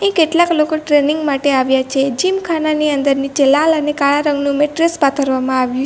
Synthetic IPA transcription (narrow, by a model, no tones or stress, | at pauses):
ɦĩkeʈlaklokoʈɾeniŋɡmaʈeaʋjat͡ʃʰed͡ʒimkʰananiənd̪əɾnit͡ʃəlalənekaɭaɾəŋɡnũmeʈɾespat̪ʰəɾʋamãaʋju